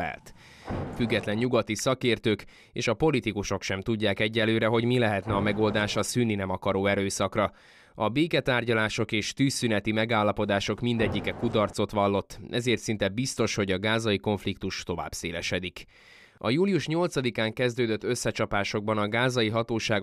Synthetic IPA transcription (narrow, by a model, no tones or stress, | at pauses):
ɛ̰lt̪ | fyɡːɛt̪lɛɲɲuɡɒt̪isɒkeːrt̪øːk | eːʃɒpo̞lit̪ikuʃo̞kʃɛmt̪uɟːaːkɛɟːɛlːøːɾɛɦo̞ɟmilɛɦɛt̪nɛɒmɛɡo̞ld̪aːʃɒsyːnːinɛmɒkɒɾoːɛɾøːsɒkrɒ | ɒbeːkɛt̪aːrɟɒlaːʃo̞keːʃt̪yːsːynɛt̪imɛɡaːlːɒpo̞d̪aːʃo̞kmind̪ɛɟːikɛkud̪ɒrt̪so̞t̪ʋɒlːo̞t̪ːʔɛzeːrt̪sint̪ɛbist̪o̞ʃho̞ɟɒɡaːzɒiko̞ɱflikt̪uʃt̪o̞va̰ːb̥sḛːlɛʃɛd̪ik | ɒjuːlijuʃɲo̞lt̪sɒd̪ikaːŋkɛzd̪øːd̪øt̪ːø̞sːɛt͡ʃɒpaːʃo̞ɡ̚bɒnɒɡaːzɒjiɦɒt̪oːʃaːɡ